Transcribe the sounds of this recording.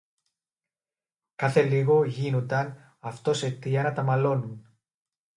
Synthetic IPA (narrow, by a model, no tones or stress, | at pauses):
kɐθe̞liɣo̞ʝino̞nd̪ɐn | ɐft̪o̞se̞t̪iɐnɐt̪ɐmɐlo̞nun